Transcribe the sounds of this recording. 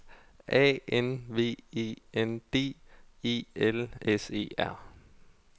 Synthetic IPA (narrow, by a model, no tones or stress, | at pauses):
ʔɛ̰ːenʋe̝̰ːeːend̥e̝̰ːḭːelese̝̰ːæɐ̰